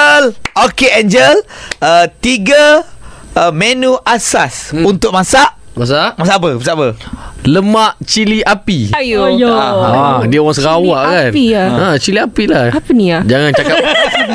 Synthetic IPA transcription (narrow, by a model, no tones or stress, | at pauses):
lokeɛnd͡ʒələt̪iɡə | mɛ̃nuʔasasunt̪ʊʔ̚masaʔ | masaʔmasaʔapəmasaapələmaʔt͡ʃiliʔapij | diəwɔsɾawaʔkaniãt͡ʃiliapilaapəniad͡ʒaŋant͡ʃaka